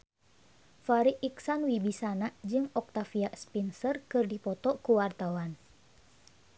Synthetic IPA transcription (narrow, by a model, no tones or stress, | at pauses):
faɾiʔiksanwibisanad͡ʒɨŋɔk̚t̪afiaʔspinsərkɨrdipɔt̪ɔkuwart̪awan